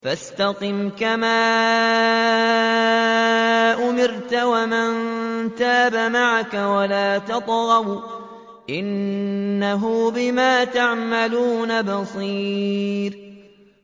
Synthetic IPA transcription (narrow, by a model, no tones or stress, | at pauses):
fast̪ɑqɪmkamaː | ʔʊmɪɾt̪awamɪnt̪aːbamaʕakawalaːt̪ɑt̪ˤɣɑb | ʔɪnː | aɦʊbɪmaːt̪aʕmaluːnabɑsˤiːɾ